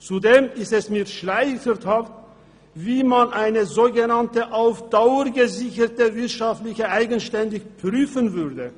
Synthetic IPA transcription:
t͡sudeːmɪstɛsmiːɐʃlaɪçəthaft | v̥iːmanʔaɪnəzoːɡənantəʔaʊfd̥aʊəʁɡəzɪçətəvɪɐtʃaftlɪçəʔaɪɡənʃtɛndɪçpʁ̥yːfənvʏʁdə

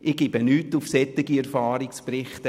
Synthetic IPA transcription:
ʔɪɡ̥ib̥ənyːtufsɛt̪ːɪɡiɛɾfɑːɾɪksprɪχtə

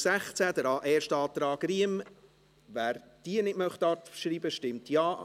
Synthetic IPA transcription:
sæχt͡sæd̪əɾɑːʔɛːɾʃtɑːt̪ɾɑːɡɾiəm | væːɾd̥iənɪtmœχt̪ɑɾtʃɾiːbəʃtɪmt̪jɑː

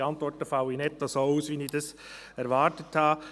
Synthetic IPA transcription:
ɑnt̪ʋɔɾtəfɑʊinɛtːɑsouːsʋinidɑs | ɛɾʋɑːɾtəthɑː

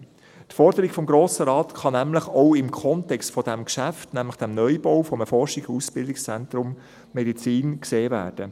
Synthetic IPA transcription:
tfɔɾd̥əɾiɡfɔmɡɾoːsəɾɑːtχɑnæmləχoʊɪmkʰɔntɛkstfɔd̥ɛmkʃæftnæmləχd̥ɛmnœjbɔʊfɔməfɔɾʃɪɡusb̥ɪldɪkst͡sɛnt̪ɾʊmː | ɛdit͡siːnkseːvæ̰ːɾd̥ə

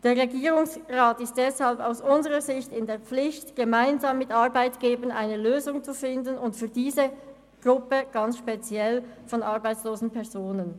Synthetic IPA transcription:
d̥eːɐʁeɡiːʁʊŋsʁaːtɪst̚d̥ɛshalpaʊsʔʊnzəʁəzɪçtɪndeːɐp͡flɪçtɡ̥emaɪnzaːmːɪtʔɑʁbaɪtɡ̥eːbənaɪnəløːzʊŋt͡sufɪndənʊntfyːɐdiːzə | ɡ̥ʁʊpəɡ̥ɑnsʃpet͡sjɛl | fɔnʔɑʁbaɪt͡sloːzn̩pʰɛʁzoːnən

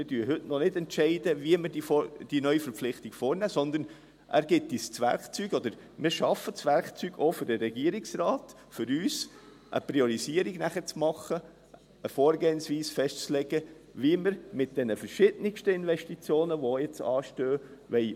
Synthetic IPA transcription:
mɪdyəɦʏtnɔnɪdɛntʃɛɪdəviəməɾdiod̥inœʏifəɾpp͡flɪχtiɡ̥foːɾnæːsɔnd̪əɾn | ʔæ̰ːɾɡ̥ɪt̪ːist͡sʋæ̰ɾkt͡syːɡɔd̪əɾ | mɪɾʃɑfət͡sʋæɾkt͡syːɡoːfʏɾd̥əɾɛɡiəɾiksɾɑːt̪ | fʏɾyːs | ʔə̰pɾiɔɾisiəɾiɡnæχət͡smɑχə | əfoːɾɡeːnsʋiːsfɛʃtt͡slɛɡə | ʋiəməɾmɪt̚d̥ɛnəfəɾʃɪd̥nɪʃtəɪnʋɛʃtit͡sjoːnəʋojɛt͡sɑːʃtøːʋɛɪ

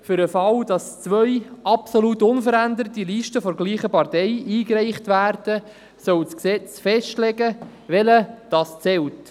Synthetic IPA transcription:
fʏɾəfɑld̥ɑst͡sʋœʏʔɑpsolutʊnfəɾændəɾətiliʃtəfɔɾɡliːχəpɑɾtɛɪiːkɾɛɪχtʋæːɾd̥ə | sœwsksɛt͡sfɛʃtlɛɡə | ʋɛləd̥ɑst͡sɛlt

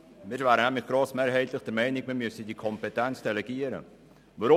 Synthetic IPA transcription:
mɪːɾvæːɾənæmlɪχɡ̥ɾoːsmeːɾɦɛɪtlɪχd̥ɛɾmɛɪnɪk̚mɪːɾmysədikʰɔmpɛtɛnt͡sd̥ɛlɛɡiəɾə̰ | ʋaɾʊ

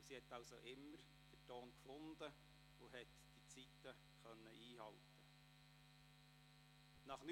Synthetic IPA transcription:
sihɛt̪ːɑwsoʔɪmːəɾ | d̥ətoːnkfʊnd̪ə | ʊɦɛt | d̥it͡sit̪ːə | χœnːəʔiːɦɑltə | nɑχn

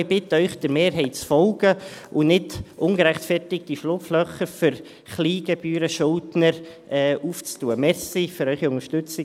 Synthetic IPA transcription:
ɪbɪtəœʏχd̥əɾmeːɾɦɛɪtt͡sfɔlɡəʔʊnɪdʔʊŋɡəɾæχtfɛrtɪk̚d̥iflʊpflœχəfʏɾ | χliːɡɛb̥yːɾəʃʊldnəɾ | ʔɛːʔuːft͡stuːəmɛɾssiføɾœʏχiʊŋəʃtʏt͡sɪ

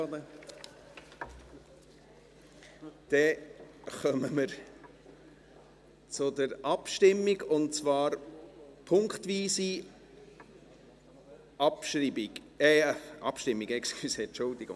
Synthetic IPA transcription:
d̪̥ɛ | χœməməɾ | t͡sʊdəɾʔɑpʃtɪmːiɡʊnt͡svɑːɾpʰʊŋkχtʋiːsi | ʔɑpʃɾibi | ɛɑ̰pʃtɪmːiɡɛkskysɛt͡ʃʊldiɡʊ̰ŋ

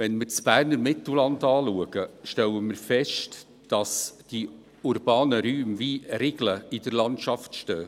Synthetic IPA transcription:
ʋɛnmɪrt͡sb̥æːɾnəɾmɪtl̩lɑndɑːluəɡəʃtɛwəmɪɾfɛʃt | d̥ɑsd̥i | uɾb̥ɑːnəɾyːmʋiɾeɡləɪd̥əɾlɑntʃɑftʃtøː

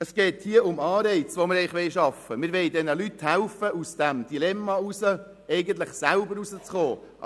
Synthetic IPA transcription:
əsɡ̥ɛːthiəʊmɑːɾɛɪt͡sʋoməɾɛɪχʋɛɪʃɑfəmɪɾʋɛɪdɛnəlythælfəʔusd̥æmd̥ilɛmːɑusə | ɛɪɡən̩t̪lɪχsælbəɾusət͡sχoː

